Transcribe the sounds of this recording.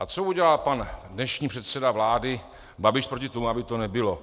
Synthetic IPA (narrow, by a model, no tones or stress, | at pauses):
ʔat͡souɟɛlalpandnɛʃɲiːpr̥ɛt̪sɛdavlaːdɪ | babɪʃpɾocɪt̪omuabɪt̪o̞nɛbɪlo